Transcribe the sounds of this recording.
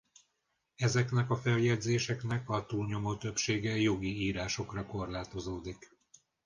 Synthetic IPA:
ɛzɛkn̪ɛkɒfɛljɛɟzeːʃɛkn̪ɛkɒt̪uːlɲo̞mot̪øpʃeːɡɛjo̞ɡiiːɾaːʃo̞krɒko̞rlaːt̪o̞zoːd̪ik

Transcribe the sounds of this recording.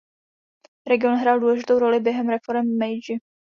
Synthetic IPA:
ɾɛɡɪo̞nɦɾaːlduːlɛʒɪt̪o̞wɾo̞lɪbjɛɦɛmɾɛfo̞ɾɛmːɛjd͡ʒɪ

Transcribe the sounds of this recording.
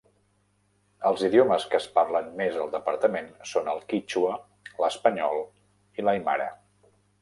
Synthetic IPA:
əlˠziðioməskəːspaɾlənmezəlˠd̪əpəɾt̪əmensonəlˠkit͡ʃuə | ləspəɲɔlˠ | iləjma̰ɾə

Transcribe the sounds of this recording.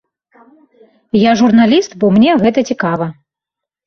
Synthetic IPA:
jaʐurnalʲist̪bɔmnʲɛɣɛt̪ɐt͡sʲikavɐ

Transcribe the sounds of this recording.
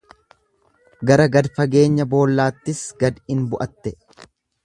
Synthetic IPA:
ɡɐɾɐɡɐd̪fɐɡe̞ːɲːɐbo̞ːlːaːt̪ːɪsɡɐd̪ɪnbʊʔɐt̪ːɛ

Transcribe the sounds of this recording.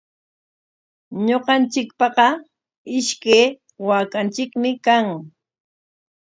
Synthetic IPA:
ɲoqɑnt͡ʃɪkpɑqɑ | ɪʃkeː | waːkant͡ʃɪkmɪkaŋ

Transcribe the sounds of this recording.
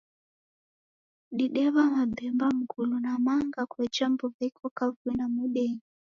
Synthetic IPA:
ɗiɗɛβamad̪ɛmbam̩kulunamaŋɡakwɛt͡ʃambɔβaikʰɔkavuinamuɗɛɲi

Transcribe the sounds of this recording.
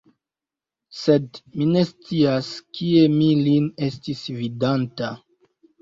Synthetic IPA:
se̞dmine̞st͡siaskʰie̞miline̞stisvidanta

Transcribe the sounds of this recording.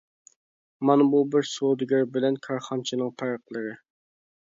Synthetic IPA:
mɑnbubɪɾsod̪ɪɡʲɪɾbɪlɛnkʰɑɾχɑnt͡ʃʰinɨŋpʰæɾqlˠəɾɨ

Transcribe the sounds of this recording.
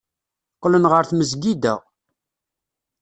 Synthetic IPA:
qːlənʁəɾθməzɡid̪æ̰

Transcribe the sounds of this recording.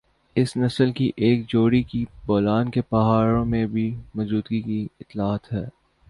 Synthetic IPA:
ɪsnɐsəlkiʔeːkd͡ʒoːɽikibɔːlaːnkepɐɦaːɾõmẽbʱimɔːd͡ʒuːd̪ɡikiɪt̪ːlaːət̪ɦɛː

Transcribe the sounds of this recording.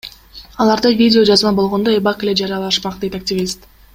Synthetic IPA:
ɑlˠɑɾd̪ɑjvʲidʲɪo̞d͡ʒɑzmɑnbo̞lˠʁo̞nd̪oebɑqele̞d͡ʒɑɾɑlˠɑʃmɑq̚d̪e̞jt̪ak̚tʲɪvʲist̪

